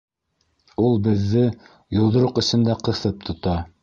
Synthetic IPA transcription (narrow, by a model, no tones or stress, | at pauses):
ulˠbɘ̆ðːɘ | jŏlˠd̪ɤ̆ɾoqɵ̆sɘ̆nd̪æqɤ̆θɤp̚t̪ʰŏt̪ɑ